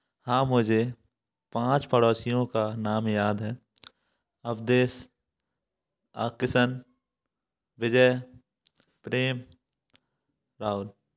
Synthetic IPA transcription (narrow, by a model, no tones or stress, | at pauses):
hãːmʊd͡ʒʱe | pãːt͡ʃpəɽɔːsijõkanaːmjaːd̪ɦɛː | əpʰd̪eːs | a̰ːkɪsən | ʋɪd͡ʒəj | pɾeːm | ɾaːʊl